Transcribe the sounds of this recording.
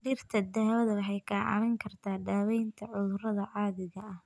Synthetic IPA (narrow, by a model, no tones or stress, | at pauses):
ɖɪrt̪ʰɐd̪aːwɐðɐlɐħɛjkʰaːʕɑ̰mɛŋkʰɐrt̪ʰaːɖaːwɛjnt̪ʰɐʕʊðʊɾɐðɐʕɑːðɪɣɐɐh